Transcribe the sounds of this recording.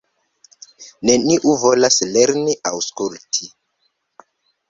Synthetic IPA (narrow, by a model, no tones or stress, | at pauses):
neniʔuvo̞lasleɾniʔawskultʰi